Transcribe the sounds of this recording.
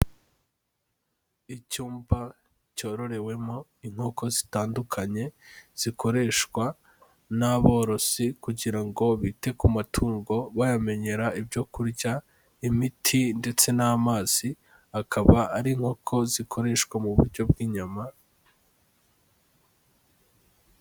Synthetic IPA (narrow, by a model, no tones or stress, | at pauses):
icuːmba | co̞ɾo̞ɾe̞we̞mo̞iŋ̥ho̞ko̞zi̥taːndukʰaɲe̞z̥iko̞ɾe̞ʃkwa | naβo̞ːɾo̞sikuɟiɾaŋɡo̞βiːte̞kumatʰuːŋɡo̞βajame̞ɲe̞ɾaibjo̞kuɾɟa | imitʰinde̞t͡se̞namaːz̥i | akʰaβaʔːɾiŋ̥ho̞kʰo̞zikʰo̞ɾe̞ːʃkwamuβuɾɟo̞b̚ɡiːɲama